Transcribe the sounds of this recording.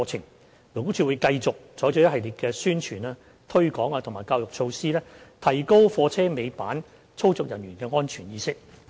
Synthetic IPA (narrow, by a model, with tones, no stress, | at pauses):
t͡sʰɪ˨˩ŋ | lo˨˩ku˥t͡ʃʰy˧wu˨˧jkɐ˧jt͡sʊ˨k̚t͡sɔː˨˥jt͡sɔ˨˥jɐ˥hɐ˨jliː˨˩t̚kɛː˧syː˥nt͡ʃʰyː˨˩naː˧ | t̪ʰɵ˥ɥkɔː˨˥ŋaː˧t̪ʰʊ˨˩ŋmaː˨˩jkaː˧wjʊ˨k̚t͡ʃʰo˧wsiː˥lɛː˥t̪ʰɐ˨˩jko˥wfɔː˧t͡sʰɛː˥me˨˧jpaː˨˥n | t͡sʰo˥wt͡sʊ˨k̚jɐ˨˩njyː˨˩nkɛː˧ŋɔː˥nt͡ʃʰyː˨˩njiː˧sɪ˥k̚